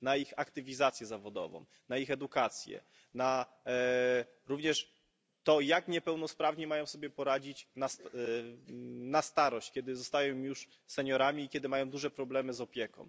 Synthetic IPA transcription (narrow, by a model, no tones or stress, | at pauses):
naixakt̪ɘvʲizat̪sʲjɛzavɔd̪ɔ̰vɔ̰̃w | naixɛd̪ukat̪sʲjɛ̰ | na | ɾuvɲɛʂ | t̪ɔjakɲɛpɛwn̪ɔspɾavɲɛmajɔ̃w̃sɔbʲjɛpɔɾad͡ʑit͡ɕnast̪ | nast̪aɾɔɕt͡ɕkʲɛd̪ɘzɔst̪ajɔ̃w̃juʂ | sɛɲɔɾamʲiːkʲjɛd̪ɘmajɔ̃w̃d̪uʐɛpɾɔblɛmɘzɔpʲjɛkɔ̰̃w̃